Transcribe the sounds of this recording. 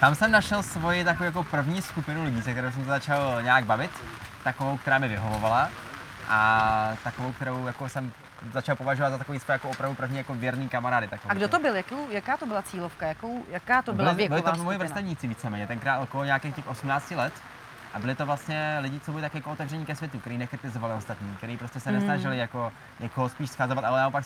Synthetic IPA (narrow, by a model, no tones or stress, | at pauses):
t̪amsɛmnaʃɛlsvo̞jɪt̪akooːwjak̬opr̩vɲiːskupɪnulɪɟiːsɛk̚t̪ɛɾows̬ɛms̬ɛzat͡ʃalɲɛaːɡ̚bavɪt̪ː | akovowkt̪ɛɾaːmɪvɪɦovovala | ʔat̪akovowkt̪ɛɾowjakosɛm | zat͡ʃalˠpo̞vaʒovat̪zat̪akoviːsvojɛjakoʔopɾavdupr̩vɲiːjakovjɛɾniːkamaɾaːdɪt̪akːɡdot̪obɪljakowjakaːt̪obɪlat͡siːlofkajakowjakaːt̪obɪɪlɪbɪlɪomojɪvɾrst̪ɛvɲiːt͡sɪviːt͡sɛmɛːɲɛt̪ɛŋkɾaːkooɲakeːxcɛxo̞sumnaːt͡scɪlɛt̪ | ʔabɪlɪt̪ovlast̪ɲɛlɪɟɪt͡sobɪlɪt̪akjakoot̪ɛvrɛɲiːkɛs̬vjɛt̪ukt̪ɛɾiːnɛkɾɪt̪ɪzo̞valɪʔost̪at̪ɲiːkt̪ɛɾiːpɾo̞scɛsɛnɛsnaʒɪlɪjako̞ | ɲʔɛkoɦospiːʃsxazovat̪ʔalɛnaʔopak